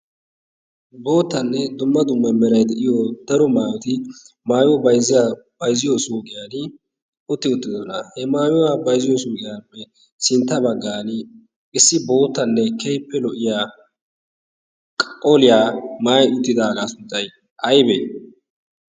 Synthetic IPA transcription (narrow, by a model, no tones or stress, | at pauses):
bo̞ːt̪ːɐnːɛd̪ʊmːɐd̪ʊmːɐmɛɾɐjd̪ɛʔɪjod̪̥ɐɾɔmaːjɔt̪ɪ | maːjɔbɐjzɪjab̥ɐjzɪjɔsuːkʼɪjaːn | ʊt̪ːɪʊt̪ːɪd̪ɔnɐhɛmaːjɔwabɐjzɪjɔsuːkʼɪjaːpːɛ | sɪnt̪ːɐbɐɡːaːnɪ | ʔɪsːɪbo̞ːt̪ːɐnːɛkɛjpːɛlɔʔɪjaː | kʼɐkʼːɔlɪjaːmaːjʊt̪ːɪd̪aːɡaːsʊnt͡sʼːɐj | ʔɐjbḛː